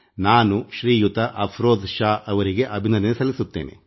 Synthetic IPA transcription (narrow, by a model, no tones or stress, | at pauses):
naːnuʃɾiːjut̪ɐʔɐpʰɾoːd̪ʃaːɐʋɐɾiɡe̞ʔɐbʱinɐnenesɐlisut̪ːḛːnḛ